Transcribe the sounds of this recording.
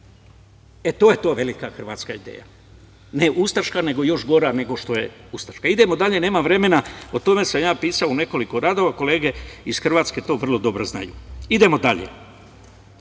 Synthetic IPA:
et̪oːjet̪o̞ʋe̞likaxr̩ʋaːt̪skaid̪ḛːja̰ | ne̞ʔust̪aɾʃkane̞ɡo̞jo̞ʃɡo̞ɾane̞ɡo̞ʃt̪o̞je | ust̪ḁʃkaid̪emo̞d̪aʎe̞neːmaʋɾe̞me̞naot̪o̞me̞samjaːpiːsaone̞ko̞liko̞ɾaːd̪o̞ʋako̞leːɡe̞izxr̩ʋaːt̪ske̞t̪o̞ʋr̩lˠod̪o̞bɾozna̰jṵid̪e̞mo̞d̪aʎḛ

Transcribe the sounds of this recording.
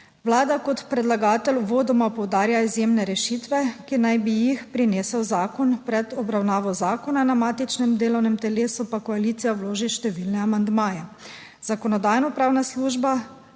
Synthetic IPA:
wlaːd̪akɔt̪pɾɛd̪laɡaːt̪ɛluʋoːd̪ɔmapɔwd̪aːɾjaizjeːmnɛɾɛʃit̪ʋɛkinajbijixpɾineːsɛwzaːkɔnpɾɛd̪ɔbɾawnaːʋɔzaːkɔnanamaːt̪it͡ʃnɛmd̪eːlɔwnɛmt̪ɛleːsupakɔaliːt̪sijawloːʒiʃt̪ɛʋilnɛamand̪maːjɛ | z̥akɔnɔd̪aːjnɔpɾaːwnasluːʒba

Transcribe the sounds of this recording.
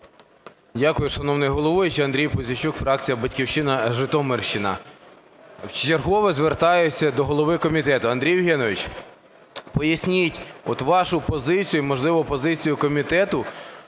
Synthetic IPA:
dʲakʊjʊʃɐnɔwnɪjɦɔlˠɔʋʊjɪt͡ʃɐnd̪ɾʲijpʊzʲɐt͡ʃukfɾɑk̚t͡sʲijɐbɐtʲkʲiwʃɪnɐʒɪt̪ɔmɪrʃt͡ʃɪnɐ̰ | wt͡ʃt͡ʃerɦɔʋɛzʋert̪ɑjʊt͡sʲːɐd̪ɔɦɔlˠɔʋɪkɔmʲit̪ɛt̪ʊɐnd̪ʲɾʲijʋɦɛnɔʋʲit͡ʃ | pɔjɐsʲnʲitʲɔt̪ʋɑʃʊpɔzɪt͡sʲijʊimɔʒlˠɪʋɔpɔzɪt͡sʲijʊkɔmʲit̪ɛt̪ʊ

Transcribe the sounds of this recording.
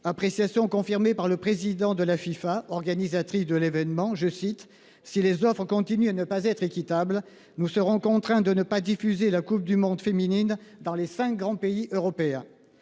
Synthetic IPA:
apχesjasjɔ̃kɔ̃fiʁmepaʁləpχezid̪ɑ̃d̪əlafifaɔʁɡanizat̪χisd̪əlevɛnmɑ̃ʒəsit̪ | silezɔfχəkɔ̃t̪inyanəpazɛt̪χekʲit̪abl | nusəʁɔ̃kɔ̃t̪χɛ̃d̪ənəpad̪ifyzelakup̚d̪ymɔ̃d̪feminind̪ɑ̃lesɛ̃k̚ɡʁɑ̃peiʔøʁɔpeɛ̃

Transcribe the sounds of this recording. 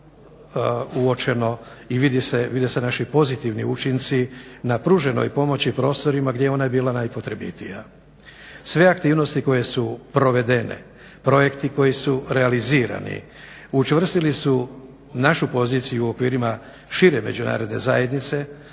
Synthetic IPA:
uo̞t͡ʃe̞no̞iʋid̪iseʋid̪ese̞naʃipo̞zit̪iʋniut͡ʃint̪sinapɾuːʒe̞no̞̰jpo̞mo̞t͡ɕipɾo̞ːst̪o̞ɾimaɡd̪jeeo̞najebiːlanajpo̞t̪ɾebḭt̪ija | sʋe̞akt̪iːʋno̞st̪iko̞je̞supɾo̞ʋe̞d̪e̞nḛ | pɾo̞je̞kt̪iko̞jisuɾealiziːɾa̰nḭ | ut͡ʃʋr̩st̪ilisu | naʃupo̞ziːt̪sijuokʋiːɾima | ʃiɾe̞me̞d͡ʑuna̰ːɾo̞d̪ne̞̰zaje̞d̪nit̪se̞

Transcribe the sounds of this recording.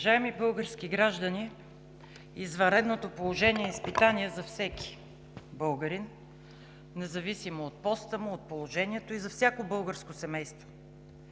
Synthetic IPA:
vɐʒaɛmibɤlˠɡəɾskiɡɾaʒd̪əni | izvɐɾɛd̪not̪opolˠoʒɛniɛispit̪aniɛzɐfsɛki̥ | bɤlˠɡəɾin | nɛzɐvisimoot̪̚pɔst̪əmʊot̪̚polˠoʒɛniɛt̪oizɐfsʲjakobɤlˠɡəɾskosɛmɛjst̪vo̥

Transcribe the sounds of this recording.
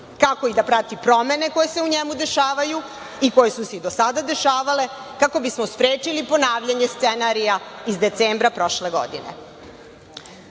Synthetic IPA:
kako̞id̪apɾat̪ipɾo̞me̞ne̞ko̞je̞se̞uɲemud̪e̞ʃaːʋaju | iko̞jesuse̞id̪o̞sad̪ad̪e̞ʃaːʋale̞kako̞bismo̞spɾeːt͡ʃilipo̞naːʋʎaɲe̞st̪senaɾijaizd̪e̞t̪seːmbɾapɾo̞ʃle̞ɡo̞̰d̪ine̞̰

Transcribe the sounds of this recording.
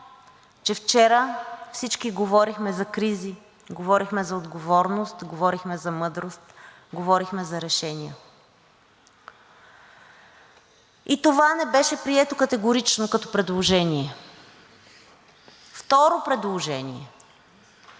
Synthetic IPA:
t͡ʃɛft͡ʃɛɾəfsit͡ʃkiɡovɔɾixmɛzɐkɾizi | ɡovɔɾixmɛzɐod̪ɡovɔɾnost̪ɡovɔɾixmɛzɐmɤd̪ɾost̪ | ɡovɔɾixmɛzɐɾɛʃɛnijə̰ | it̪ovanɛbɛʃɛpɾiɛt̪okɐt̪ɛɡoɾit͡ʃnokɐt̪ɔ̥pɾɛd̪lˠoʒɛniɛ | ft̪ɔɾopɾɛd̪lˠoʒɛnʲḭɛ̰

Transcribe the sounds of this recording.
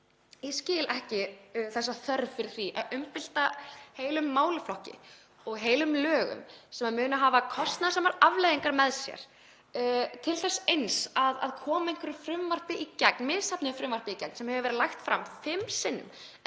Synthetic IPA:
ɪscɪːlɛhcɪθɛsːaθœɾðfɪɾɪɾ̥θiʔa̰ðʏmpɪl̥t̪aheːjlʏmːaːwlʏflɔhcɪ̰ | ɔɣɦeːjlʏmlœːɣʏ̰msɛmamʏːnaɦaːvakʰɔst̪naðsɛmaɾavlejðiŋkaɾmɛðsjɛ̰ɾ̥ | t̪ʰɪlθɛsːaejnsaða̰ðkʰɔːmaejŋ̥kvɛɾɪɾ̥fɾʏmvar̥pɪʔicɛknmɪðsapnɪfɾʏmvaɾ̥pɪicɛ̰knsɛmhɛvʏvɛːɾɪlajxt̪fɾa̰mfɪmsɪnːʏ̰m

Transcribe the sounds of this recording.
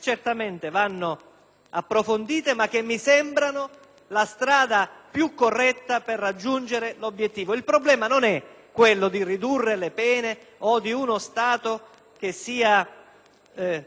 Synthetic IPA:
t͡ʃert̪ament̪evanːo | apːɾofond̪iːt̪emak̟ːemːisɛmbɾano | last̪ɾaːd̪apjukːorːɛt̪ːaperːad͡ʒːund͡ʒeɾelobjet̪ːiːvoilpɾoblɛːmanonɛkːwelːod̪irid̪urːelepɛːne | od̪iunost̪aːt̪o | k̟esːiːa

